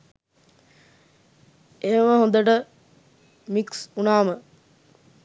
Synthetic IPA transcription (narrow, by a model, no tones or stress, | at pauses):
eɦəməɦõnd̪əʈə | miksunaːmə